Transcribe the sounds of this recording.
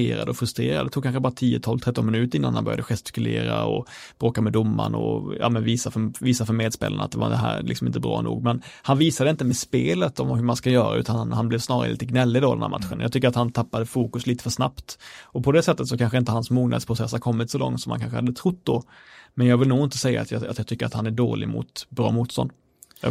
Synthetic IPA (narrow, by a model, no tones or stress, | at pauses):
eːɾad̪əɔfɾɵst̪ɾḛːɾa̰d̪ɛt̪uːɡ̚kʰanɧəbɑːɾat̪ʰiːət̪ʰɔlvt̪ʰɛt̪ːɔnmɪnʉ̟ːt̪əɾɪnːa̰nhanbœɾja̰d̪əɧɛst̪ɪ̥kɵlḛːɾa̰ɔ̰ | b̥ɾoːkamɛd̪ʊmːa̰ɳɔ̰jɑ̰ːmɛnviːsafœviːsafœɾmeːd̪spḛːlə̰nat̪̚d̪ɛva̰d̪ɛɦæ̰ːɾlɪksɔmɪ̰nt̪əbɾɑ̰ːnṵːɡ̚mɛnhanviːsad̪əɪnt̪əmɛspeːlət̪ɔmhɵɾmanskajœːɾa̰ʔʉ̟ːt̪anhanblɛvsnɑːɾa̰ɾə̰liːt̪əɡnɛlːɪd̪oɔd̪ɛ̰nhæ̰ɾma̰t̪ɧənjɑ̰ɡt̪ʰʏkːəɾat̪hant̪ʰapːad̪əfuːkɵsliːt̪ə̥fœʂnapt̪ɔpʰɔd̪ɛsɛt̪ːət̪sɔkʰanɧəɪnt̪əhansmuːɡnʔa̰d̪spʰɾʊsɛsːhaɾkʰɔmːɪt̪sɔlɔ̰ŋt̪sɔmhankanɧəhad̪ət̪ʰɾʊt̪̚ːd̪ɔ | mɛnjɑːɡvɪlnuːɪnt̪əsɛjːa̰ːt̪jɑat̪jɑt̪ʰʏkːəɾa̰t̪hanæɖoːlɪ̰mʊ̰t̪bɾɑ̰ːmuːt̪st̪ɔ̰nd̪